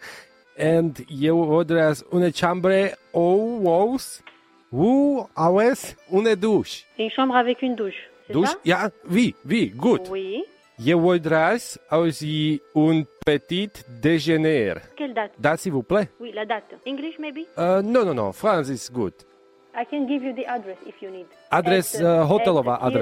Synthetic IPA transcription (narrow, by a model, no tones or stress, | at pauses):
ɛnt̪jevɔld̪ɾasunət͡ʃãmbɾeowows | wuawesuned̪uʃeynʃɑ̃bʁavɛkynd̪uʃsd̪uʃjaviviɡut̪wi | jevɔld̪ɾasawsiunpət̪it̪d̪eʒenɛɾkʲɛld̪at̪d̪at̪sivuplewilad̪at̪ɛ̃ɡliʃmebiənõnõnõ̰fɾãnsisɡṵt̪ | ajkɛ̃nɡivjud̪iʔad̪ɾɛsifjunid̪ | ad̪ɾɛsɦot̪ɛlovaʔad̪ɾɛ